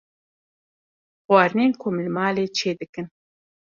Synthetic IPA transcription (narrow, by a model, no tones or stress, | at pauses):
xwɑːɾneːnkʰoːmlɨmɑːleːt͡ʃʰeːd̪ɨkɨn